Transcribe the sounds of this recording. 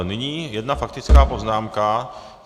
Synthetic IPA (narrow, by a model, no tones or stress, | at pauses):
nɪɲiːjɛdnafak̚t̪ɪt͡skaːpoznaːmka